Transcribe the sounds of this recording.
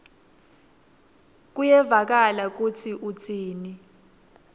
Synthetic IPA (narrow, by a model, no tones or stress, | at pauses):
k̬ʼujɛvak̬alak̬ut͡sʰiʔut͡sʼiːni